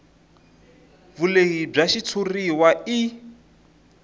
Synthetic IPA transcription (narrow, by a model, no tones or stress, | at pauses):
vuleɣib͡ʐaʃit͡sʰuriwai